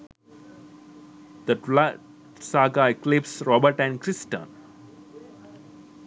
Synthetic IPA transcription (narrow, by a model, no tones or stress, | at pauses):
d̪̥əlaɖ | saːɡaeklɪpsɾɔːbəɾʈæ̃ɳɖkɾɪsʈə̰̃n